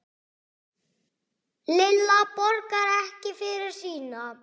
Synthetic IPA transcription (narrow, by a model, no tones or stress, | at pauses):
lɪlːapɔɾkaɾɛhcɪfɪɾɪɾ̥siːna